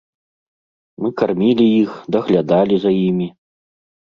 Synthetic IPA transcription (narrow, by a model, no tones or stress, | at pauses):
mɨkarmʲilʲijixd̪ɐɣlʲad̪alʲizajimʲi